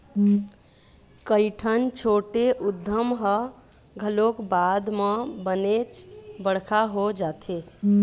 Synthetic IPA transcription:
kəɪʈʰənt͡ʃʰoʈeʔud̪ʱːəmɦə | ɡʱəlokbad̪mebənet͡ʃbəɽ̤kʰaɦod͡ʒat̪ʰe

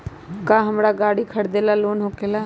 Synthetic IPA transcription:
kaːɦəmɾaɡaːɽikʰəɽd̪eːlaloːnɦoːkeːla

